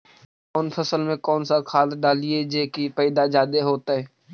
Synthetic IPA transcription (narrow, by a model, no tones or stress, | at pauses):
ʊnpʰəsəlmẽkɔːnsakʰaːlɖaːlied͡ʒeːkipɛːɪd̪ad͡ʒaːd̪eɦoːt̪aɦɛː